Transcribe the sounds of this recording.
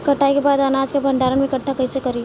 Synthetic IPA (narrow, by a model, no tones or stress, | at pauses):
kɐʈʰːaːikebaːd̪aːnaːd͡ʒkebʱɐ̃ɳɖaːɾənmẽkɐʈʰːakɐɦĩsekɐɾi